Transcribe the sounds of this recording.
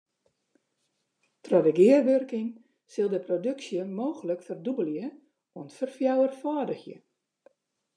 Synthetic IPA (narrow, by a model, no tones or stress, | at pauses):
trɔdəɡɪərʋørkɪŋ | sɪlˠdəprodøksjəmoːɣələkfərdubəlˠjə | oənfərfjawərfaːdəxjə̰